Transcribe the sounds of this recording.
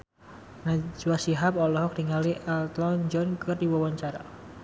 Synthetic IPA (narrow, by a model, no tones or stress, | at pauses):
nad͡ʒuwasiɦapɔlɔɦɔk̚d̥iŋaliʔɛlt̪lɔnd͡ʒɔnkɨrdiwawaɲt͡ʃaɾa